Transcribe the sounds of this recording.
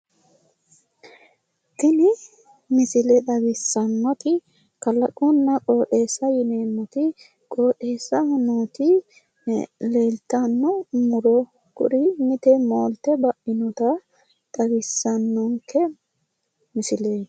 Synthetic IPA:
t̪ɪnɪ | mɪsɪlɛd̪ɐɡɪsːɐnːɔt̪ɪ | kɐlɐkʼʊnːɐkʼo̞ːᶑe̞ːsːɐjɪneːmːɔt̪ɪ | kʼo̞ːᶑe̞ːsːɐhʊnoːt̪ɪ | le̞ːlt̪ɐnːɔmʊɾɔ | kʊ̰ɾɪmɪt̪ɛmoːlt̪ɛbɐʔɪnɔt̪ɐ | d̪̥ɐɡɪsːɐnːɔŋkʰːɛ | mɪsɪleː

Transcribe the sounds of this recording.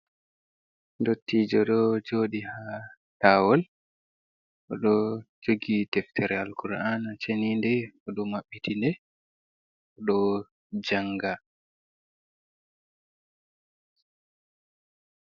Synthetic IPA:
ndotːid͡ʒɔɗɔd͡ʒoɗiha | tawɔl | ʔɔɗɔd͡ʒoɡitɛftʰɛɾɛalkuɾanat͡ʃenindɛɔɗɔmaɓːitʰindɛ | ɔɗɔ | d͡ʒaŋɡa

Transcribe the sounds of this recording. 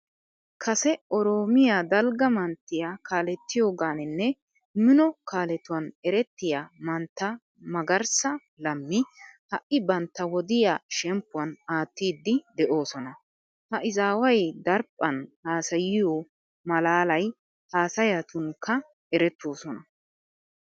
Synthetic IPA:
kʰɐsɛɔɾo̞ːmɪjaːd̪ɐlɡɐmɐnt̪ːɪjakaːlɛt̪ːɪjo̞ːɡaːnɪnːɛ | mɪnɔkaːlɛt̪ːʊwɐnɛɾɛt̪ːɪjaːmɐnt̪ːɐ | mɐɡɐɾsɐ | lɐmːɪhɐʔɪbɐnt̪ːɐwɔd̪ɪjaːʃɛmpːʊwɐnaːt̪ːiːd̪ːɪd̪ɛʔo̞ːsɔnɐ | hɐʔɪzaːwɐjd̪ɐɾpʼːɐnhaːsɐjɪjo | mɐlaːlɐj | haːsɐjat̪ʊŋkʰːɐ | ɛɾɛt̪ːo̞ːsɔnɐ

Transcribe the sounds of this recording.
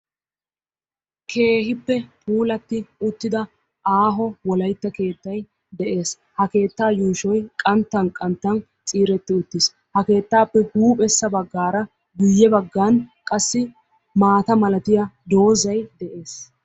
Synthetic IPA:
kʰe̞ːɦɪpːɛpʰʼuːlɐt̪ːɪʊt̪ːɪd̪ɐ | ʔaːɦɔwɔlɐjt̪ːɐke̞ːt̪ːɐj | d̪ɛʔe̞ːs | hɐke̞ːt̪ːaːjuːʃɔjkʼɐnt̪ːɐnkʼɐnt̪ːɐn | t͡sʼiːɾɛt̪ːɪʊt̪ːɪs | hɐke̞ːt̪ːaːpːɛhuːpʼɛsːɐbɐɡːaːɾɐ | ɡʊjːɛbɐɡːaːnkʼɐsːɪ | maːt̪ɐmɐlɐt̪ɪjɐd̪o̞ːzɐjd̪ɛʔe̞ːs

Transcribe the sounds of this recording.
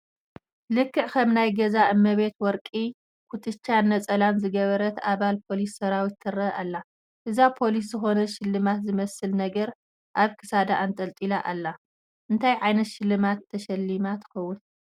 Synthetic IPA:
lɨkʰːɨʕkʰɐmnajɡɐzaʔɨmːɐβe̞t̪wɔɾkʼi | kʰut̪ʰʼɨt͡ʃʰːanːɐt͡sʼɐlanzɨɡɐβɐɾɐt̪aβalpʰo̞lisːɐɾawit̪ːʰɨrɐʔalːa | ʔɨzapʰo̞lis̬zɨxo̞nɐʃɪlːɨmat̪zɨmɐsɨlnɐɡɐɾ | ʔaβkʰɨ̥sad̪aʔant̪ʼɐlt̪ʼilaʔalːa | ʔɨnt̪ʰajʕajnɐt̪ʃɪlːɨmat̪ʰːɐʃɐlːimat̪ʰɨ̥xɐwːun

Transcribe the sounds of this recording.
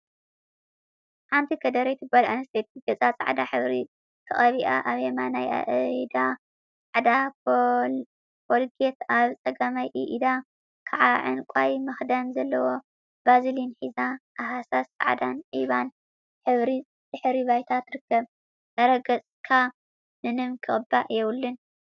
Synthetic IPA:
ħant̪ʰikʰɐd̪ɐɾet̪ʰɨɡalʔanɐst̪ʰet̪ʰiɡɐt͡sʼat͡sʼa̰ʕd̪aħɨβɾi | k̪ʰɨχʼɐβiʔa̰ʔaβemanaja̰ʔd̪a | ʕd̪a | pʰolɡet̪aβt͡sʼɐɡɐmajʔɨʔid̪a | kʰaʕaʕɨ̰nkʷʼajmɐxd̪anzɐlːɐwo̞ | bazilinħizaʔaɦasasːʼa̰ʕd̪anʕiβan | ħɨβɾi | z̥ɨħɾiβajt̪ʰat̪ɾɨkːɐβ | zɐɾɐɡɐt͡sʼkʰa | nɨnɨmkʰɨχʼɨbːaʔjɛwulːɨn

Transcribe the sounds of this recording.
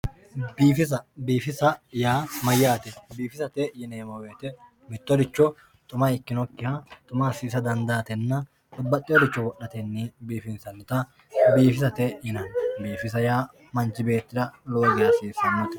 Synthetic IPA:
biːfɪs̬ɐbiːfɪsɐjaːmɐjaːt̪ɛbiːfɪsɐt̪ɛjɪneːmɐweːt̪ɛ | mɪt̪ːɔd̪ɪt͡ʃːɔ | t̪ʼʊmɐɪkːɪnɔkːɪhɐt̪ʼʊmasiːsɐd̪ɐnd̪aːt̪ɛnːɐ | t̪ʼʊbːɐt̪ʼːɪjɔd̪ɪt͡ʃːɔwɔʔːɐt̪ɛnːiːbiːfɪnsɐnːɪt̪ɐ | biːfɪsɐt̪ɛjɪnɐnbiːfɪs̬ɐjaː | mɐnt͡ʃːɪbe̞ːt̪ːɪd̪ɐloːzɪjɐsiːsɛmːʊt̪ɛ

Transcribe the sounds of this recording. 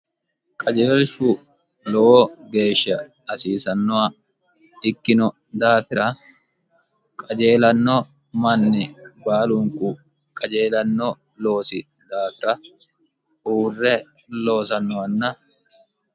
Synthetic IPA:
kʼɐd͡ʒeːlʃu | lɔʔoːɡe̞ːʃːɐː | siːsɐnːɔɐ | ɪkːɪnɔ | d̪aːfɪɾɐ | kʼɐd͡ʒeːlɐnːɔ | mɐnːɛbaːluŋkʼu | kʼɐd͡ʒe̞ːlɐnːɔ | lo̞ːsɪ | d̪aːfɪɾɐ | uːrːɛ | lo̞ːsɐnːɔɐnːɐ

